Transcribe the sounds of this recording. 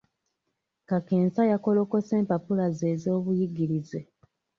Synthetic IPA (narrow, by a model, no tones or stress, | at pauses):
kake̞ːnsajako̞lo̞ko̞se̞ːmpapulaze̞ːzo̞ːβujiɡiɾize